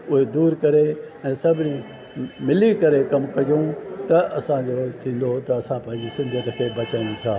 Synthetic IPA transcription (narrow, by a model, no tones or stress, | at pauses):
ʊɦed̪uːɾkɐɾe | ɛ̃ːsɐbʱɪnĩ | mɪlikɐɾekɐmkɐd͡ʑjõt̪ɐʔɐsãd͡ʑot̪ʰĩːn̆d̪ot̪ɐɐsãpɛ̃ɦɪ̃ɲd͡ʑisɪ̃nd̪ʱət̪kʰeːbɐt͡ɕãːnĩt̪ʰaː